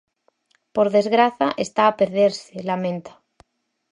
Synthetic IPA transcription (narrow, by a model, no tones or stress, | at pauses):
po̞ɾðe̞zɣɾaθaʔest̪aːpeɾðeɾselamẽ̞nt̪ḁ